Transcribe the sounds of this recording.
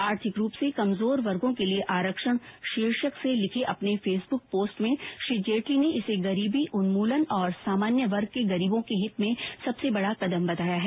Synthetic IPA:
aːɾt̪ʰɪkɾuːpsekɐmzoːɾʋɐɾɡõkelieʔaːɾəkʃəɽ̃ʃiːɾʃəkselɪkʰeʔɐpnefeːsbʊk̚poːsʈmẽʃɾiːd͡ʒeːʈlineɪseɡɐɾiːbiʔʊnmuːlənɔːɾsaːmaːnjəʋɐɾɡ̚keɡɐɾiːbõkeɦɪt̪mẽsɐbsebɐɽakɐd̪əmbɐt̪aːjaɦɛː

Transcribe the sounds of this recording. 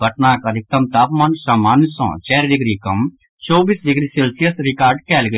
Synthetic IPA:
bʱɐʈnaːkɐd̪ʱɪk̚t̪ɐmt̪aːpmãːnsamaːnsɔ̰̃ːt͡ʃɛːɾd̪ɪɡɾikɐ̃m | t͡ʃoːbiːsd̪ɪɡɾiseːlsijəsɾɪkaːɾɖkɛːlɡɐ

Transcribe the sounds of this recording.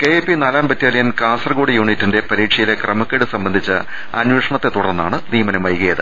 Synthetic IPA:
ke̞epːinaːlaːmbɐt̪ːjaːlijɐnkaːnsɐrɡoːɽijuːɳitːinde̞pɐɾiːʈʂɐjile̞krɐmɐkːeːɽɨsɐmbɐnd̪ʱit͡ɕːɨ̰ | ɐ̰nweːʂɐɳɐt̪ːe̞t̪uɽɐrnːa̰ːɳɨniːmɐnɐmʋɐjɣɐjɐðɨ

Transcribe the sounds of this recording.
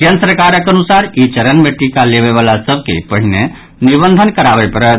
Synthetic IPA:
ɡənsɾəkaɾəkənusaɾit͡ʃəɾənmeʈikaleβeβalasəb̚ʱkḛpəɦine | nibənd̪ʱənkəɾabɛpəɾət̪

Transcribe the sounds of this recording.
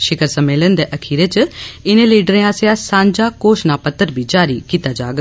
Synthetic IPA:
ʃɪkəɾsəmeːlənd̪eːʔəkʰiːɾeːt͡ʃɪnẽːliːɖɾẽːãːsejãːsãːɲd͡ʒaːkoːʃnaːpət̪ːəɾbiːd͡ʒaːɾḭːkiːt̪aːd͡ʒaːɡ

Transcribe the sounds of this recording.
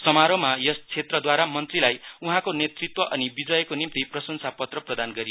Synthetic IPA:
sʌmaɾomajʌst͡sʰet̪rʌd̪waɾamʌnt̪rilajuɦãkonet̪rit̪wʌʔʌnibid͡zʌjkonimt̪iprʌsʌnsʰapʌt̪rʌprʌd̪anɡʌɾi

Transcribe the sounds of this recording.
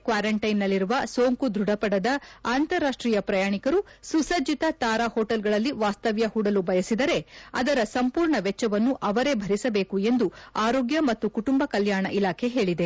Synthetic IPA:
kʋaːɾɐɳʈɐjnːɐlːiɾuʋɐsoːŋkud̪ɾuɽɐpɐɽɐd̪ɐaːnt̪ɐɾaːʂʈɾiːjɐpɾɐjaːɳikɐɾususɐd͡ʒit̪ɐt̪aːɾaːhoːʈɐlɡɐɭɐlːiʋaːst̪ɐʋjɐhuːɽɐlubʱɐjɐsid̪ɐɾe̞ɐ̰d̪ɐɾɐsɐmpuːɾɳɐʋɛt͡ʃːɐʋɐnːuʔɐʋɐɾe̞bʱɐɾisɐbe̞ːkue̞nd̪uaːɾoːɡjɐmɐt̪ːukuʈumbɐkɐljaːɳɐʔilaːkʰe̞ɦe̞ːɭid̪e̞

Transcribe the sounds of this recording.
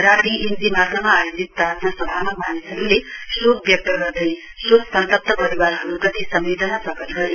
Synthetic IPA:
raʈiʔind͡zimakʌmaːjod͡zit̪ːat̪ʰnasʌbʱamʌk̚bʱanisʌɾulesok̚bjʌk̚t̪ʌɡʌrd̪ʌj̃ | soksʌnt̪ʌp̚t̪ʌpʌɾiwarɦʌɾukʌt̪ʰisʌmbed̪ʌnapʌkʌt̪ɡʌɾe

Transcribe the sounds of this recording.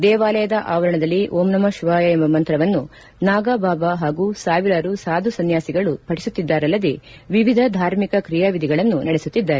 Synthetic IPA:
d̪ɛːʋaːlɐjɐd̪ɐʔaːʋɐɾɐɳɐd̪ɐlːiʔoːmnɐmɐʃʋaːjɐembɐmɐnt̪ɾɐʋɐnːu | naːɡaːbʱaːbɐɦaːɡusaːʋiɾaːɾusaːd̪ʱusɐnjaːsiɡɐɭupʰɐʈi̥sut̪ːid̪ːaːɾɐlːɐd̪e | ʋiʋid̪ʱɐd̪ʱaːɾmikɐkɾijaʋid̪ʱiɡɐɭɐnːunɐɽɛsut̪ːid̪ːaːɾe

